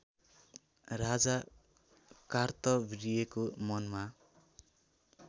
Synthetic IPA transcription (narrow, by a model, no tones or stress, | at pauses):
rad͡za | kart̪ʌbɾijekomʌnma